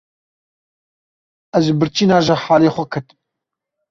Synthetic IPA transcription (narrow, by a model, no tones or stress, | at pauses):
ɛzʒbɨɾt͡ʃiːnaːʒɐħaːleːxʷɛkʰɨt̪m